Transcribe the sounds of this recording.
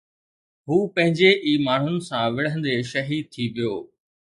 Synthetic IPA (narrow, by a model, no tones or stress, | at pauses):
ɦuːpɐ̃ɦɪ̃ɲd͡ʑeʔiːmaːɳ̤ʊnɪ̆sãʋɪɽ̤ə̃nd̪eʃɐɦiːd̪̚t̪ʰiʋijoː